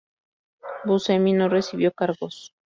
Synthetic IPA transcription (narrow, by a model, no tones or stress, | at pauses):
buseminoresiβjokaɾɣos